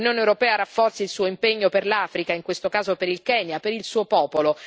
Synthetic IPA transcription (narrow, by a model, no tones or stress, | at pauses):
njoːnewɾopɛːaɾafːɔrt̪silsuːoimpeɲːoperlafɾikaiŋkwest̪okaːzopeɾilkɛːnjapeɾilsuːopɔːpolo